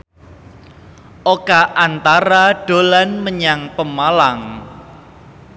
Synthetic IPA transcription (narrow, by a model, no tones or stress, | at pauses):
ʔokaʔant̪aɾaɖ̥olanməɲaŋpəmalaŋ